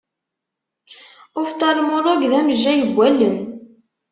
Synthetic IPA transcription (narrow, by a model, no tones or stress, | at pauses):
ʊft̪ɑɾˤmʊɾˤoɡðæməʒːæjəbʷːælːən